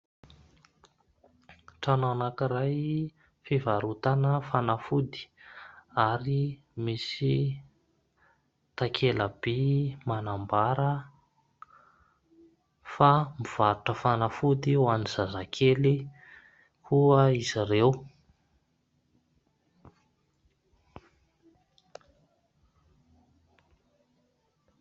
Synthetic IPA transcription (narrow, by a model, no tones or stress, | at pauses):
ʈ͡ʂanoanakiɾaj | fivaɾut̪anəfanafud̪i̥ | aɾi | misi | t̪akʰeləb̥emanambaɾə | famiv̥aɾuʈ͡ʂəfanəfud̪iwanizazakʰeli | kʰuəizirew